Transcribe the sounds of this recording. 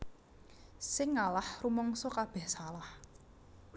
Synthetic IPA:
sɪŋalahrumɔŋsɔkab̥ɛhsalah

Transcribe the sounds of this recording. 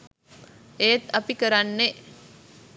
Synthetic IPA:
et̪apikəɾanːe

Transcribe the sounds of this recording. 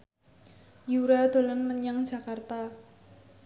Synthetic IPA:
juɾad̪̥o̤lənməɲaŋ̥d͡ʒ̥a̤kart̪a

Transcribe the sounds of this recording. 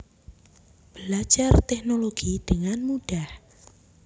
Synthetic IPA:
b̥əlḁd͡ʒ̥art̪ɛknoloɡ̥id̪̥əŋanmuɖ̥ah

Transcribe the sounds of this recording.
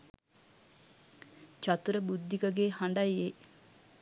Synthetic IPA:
t͡ʃat̪uɾəbud̪ːikəɡeːhaɳɖajːe

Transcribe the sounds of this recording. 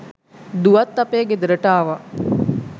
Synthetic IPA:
d̪uʋɐt̪ːapeːɡed̪əɾəʈaːʋa

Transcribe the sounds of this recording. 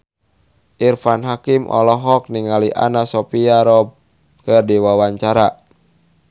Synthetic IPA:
ʔirfanɦakimʔɔ̰lɔɦɔk̚niŋaliʔa̰nasɔpiaɾɔb̚ | kərdiwawaɲt͡ʃaɾa

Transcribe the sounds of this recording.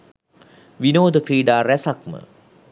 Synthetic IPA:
ʋinoːd̪əkɾiːɖaːɾæsak̚mə̰

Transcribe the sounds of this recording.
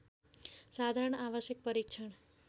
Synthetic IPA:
sad̪ʱaɾəɳ̃aʋʌsjʌk̚pʌɾikt͡ʃʰʌɳ

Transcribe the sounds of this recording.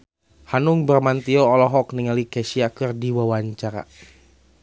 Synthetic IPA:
hanuŋbərmant̪iɔːlɔɦɔkniŋalikɛsiakɨrdiwawaɲt͡ʃaɾa̰

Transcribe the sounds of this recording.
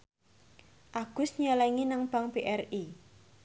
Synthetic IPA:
ʔaɡ̥ʊ̤sɲɔlɛŋinaŋb̥a̤ŋpeʔɛri

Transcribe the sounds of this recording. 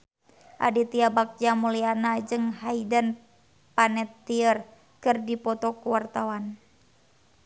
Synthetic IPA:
ʔa̰dit̪iabak̚d͡ʒamulianad͡ʒɨŋhaidən | panɛt̪ːiər | kɨrdipɔt̪ɔkuwart̪awan

